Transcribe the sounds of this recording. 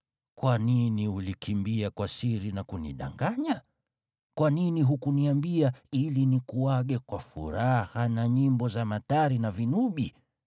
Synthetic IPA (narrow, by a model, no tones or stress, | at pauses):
kwaniniulikʰimbiakwasiɾinakuniɗa̰ŋɡaɲa | kwaniniɦukuniambiailinikuaɠɛkwafṵɾahanaɲimbɔzamataɾinavinuɓi